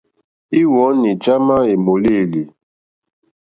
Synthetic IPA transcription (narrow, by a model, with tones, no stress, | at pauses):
i˦wɔ˨˦ni˨d͡ʒa˦ma˦e˨mo˨le˦˨li˨